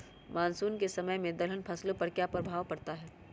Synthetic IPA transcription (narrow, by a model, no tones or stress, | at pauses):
maːnsuːnkesɐməjmẽd̪ɐlənpʰɐslopɐɾkjaːpɾɐbʱaːʋpɐɾt̪aɦɛː